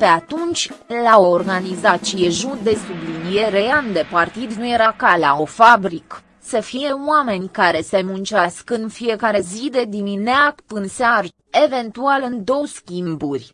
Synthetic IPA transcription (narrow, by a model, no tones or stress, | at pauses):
pe̞at̪unt͡ʃʲlaoo̞rɡanizat͡ʃijeʒud̪e̞sublinije̞ɾejand̪e̞part̪id̪nuje̞ɾakala̰o̞fabɾik | səfije̞oame̞nʲkaɾe̞se̞munt͡ʃaskɨnfije̞kaɾe̞zid̪e̞d̪imineakpɨnsear | e̞ve̞nt̪ualɨnd̪o̞wskʲimburʲ